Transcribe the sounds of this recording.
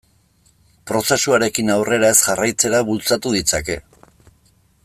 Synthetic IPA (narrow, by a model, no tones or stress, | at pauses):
pɾo̞se̞suaɾe̞kinawre̞ɾae̞sʝarajt͡se̞ɾaβult͡sat̪uðit͡sake̞